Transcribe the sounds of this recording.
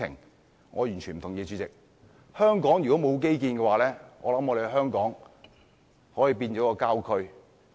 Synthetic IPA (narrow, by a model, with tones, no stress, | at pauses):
ɪ̰˨˩ŋ | ŋɔː˨˧jy˨˩nt͡ʃʰy˨˩nm̩˨˩t̪ʰʊ˨˩ŋjiː˨˧t͡ʃyː˨˧t͡sɪ˨k̚ | hœː˥ŋkɔː˨˥ŋjy˨kɔː˨˥mo˨˧wk̬e˥jk̬iː˧nkɛː˧waː˨˥lɛː˥ŋɔ̰ː˨˧lɐ˨˥mɔ˨˧d̪e˨˧ɦœː˥ŋkɔː˨˥ŋ | hɔː˨˥jiː˨˧piː˧nt͡ʃɔː˨˥kɔː˧kaː˥wkʰɵ˥ɥ